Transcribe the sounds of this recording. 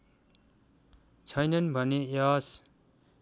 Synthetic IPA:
t͡sʰʌjnʌnbʱʌnejas

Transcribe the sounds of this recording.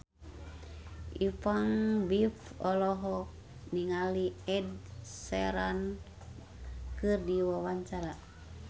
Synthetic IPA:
ʔifaŋbifɔlɔɦɔk̚ | niŋaliɛdsɛɾan | kɨrdiwawaɲt͡ʃaɾa

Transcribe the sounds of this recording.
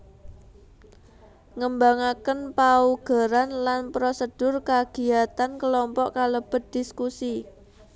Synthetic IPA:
ŋəmbaŋakənpauɡ̥a̤ɾanlanpɾosəd̥ʊrkaɡ̥i̤at̪ankəlɔmpɔʔkaləb̥ə̤t̪̚d̪̥i̤skusi

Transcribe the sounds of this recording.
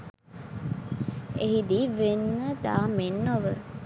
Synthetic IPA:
eɦid̪iʋenʋəd̪aːmenːoʋə

